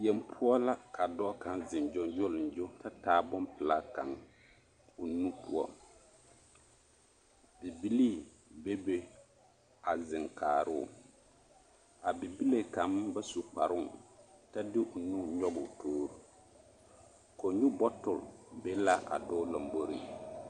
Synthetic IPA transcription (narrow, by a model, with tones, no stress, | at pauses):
jɛ˨mpʰʊ˦ɔ˦la˦kʰa˨dɔ˦ka˨nzɪ˨nd͡ʒɔ˦nd͡ʒʊ˦lɪ˨n˨d͡ʒo˦ta˦taː˦bʊ˦mpɪ˨la˦ka˨ŋ | ʊ˨nũ˦pu˦ɔ̰˦ | bi˨bi˦li˦ | be˦be˦ | a˨zɪ˨ŋkʰaː˨ɾʊ˦˨ | a˨bi˨bi˦le˨ka˨˦m˦ba˦su˨k͡pa˨ɾʊ˦˨ta˦dɪ˦ʔʊ˨nu˦ɲɔ˦bʊ˨tʰoː˦ɾu˦ | ko˨ɲu˦bɔ˦tʊ˨lbe˦la˦ʔa̰˨dɔː˦lɔ˨m˨bo˦ɾi˦